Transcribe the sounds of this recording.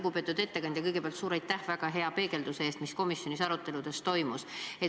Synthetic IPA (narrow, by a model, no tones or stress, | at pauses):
ɡupe̞ːt̪ːˑud̪e̞t̪ːe̞kɑnʲd̪jɑkɤjɡ̥e̞peɑlt̪suːɾɑjt̪ːæhvæɡ̥ɑɦe̞ɑpe̞ːɡe̞ld̪̥use̞eːst̪misko̞misjo̞nisɑɾut̪ːˑe̞lud̪̥e̞st̪o̞jmuse̞